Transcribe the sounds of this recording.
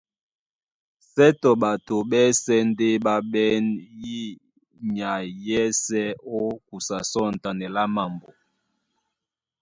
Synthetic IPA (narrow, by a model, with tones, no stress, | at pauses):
sɛ˦tɔ˨ɓa˨to˨ɓɛ˦sɛ˦n˦de˦ba˦ɓɛ˦nji˦ | ɲa˨jɛ˦sɛ˦o˦ku˨sa˨sɔ˦n̩˨ta˨nɛ˨la˦ma˨mbo˨